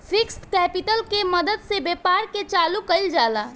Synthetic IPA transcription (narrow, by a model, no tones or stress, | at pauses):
fʰɪksʈkɛːpɪʈəlkemɐd̪əd̪sebeːpaːɾket͡ʃaːlukɐɪld͡ʒaːlaː